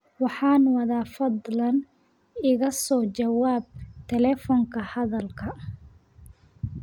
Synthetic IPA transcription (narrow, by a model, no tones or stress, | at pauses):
wɑħɑːnwɐðaːfɐd̪lɐn | ɪɣɐsɔːt͡ʃɐwaːb̚t̪ʰɛlɛːfɔŋkʰɐhɐðɐlkʰɐ